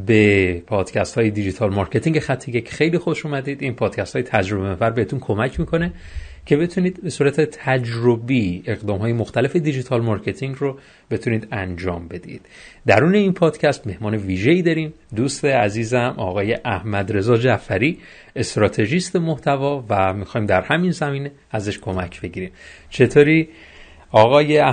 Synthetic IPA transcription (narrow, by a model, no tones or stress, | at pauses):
be̞pʰɒːd̪̥cʰæst̪hɒːjed̪id͡ʒit̪ʰɒːlmɒːɾkʰe̞t̪iŋɟexæt̪ʰːe̞jecʰxe̞jliːxo̞ʃuːmæd̪iːd̪inpʰɒːd̪̥cʰæst̪ɒːjet̪ʰæd͡ʒɾo̞bemefæɾbeet̪ʰunkʰo̞mæcʰmikʰo̞ne̞ | cʰe̞be̞t̪ʰuniːd̪̥be̞suːɾæt̪ʰe̞t̪ʰæd͡ʒɾobie̞ɣd̪ɒːmɦɒːje̞moxt̪ælefe̞d̪id͡ʒit̪ʰɒːlmɒːɾcʰe̞t̪ʰiŋɡɾo | b̥e̞t̪ʰuniːd̪ænd͡ʒɒːmbe̞d̪ḭːd̪̥d̪æ̰ɾuːne̞iːnpʰɒːd̪̥cʰæst̪me̞hmɒːne̞viːʒe̞iːd̪ɒːɾiːmd̪uːst̪e̞æziːzæmɒːɣɒːje̞ʔæhmæd̪ɾe̞zɒːd͡ʒæfæɾiː | e̞st̪ɾɒːt̪ʰe̞ʒist̪emoht̪ʰævɒːvæmixɒːjmd̪æɾhæminzæmiːne̞ | æzeʃkʰo̞mæcʰb̥e̞ɟiːɾiːm | t͡ʃʰe̞t̪ʰoːɾiː | ɒːɣɒːje